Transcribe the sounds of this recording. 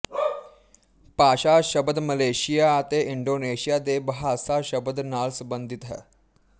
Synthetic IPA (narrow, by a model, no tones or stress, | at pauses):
paɕaɕəbəd̪məleɕijaːt̪eʔiɳɖoneɕijad̪ebəɦasaɕəbəd̪nalsəbənd̪ʱit̪ɦə̰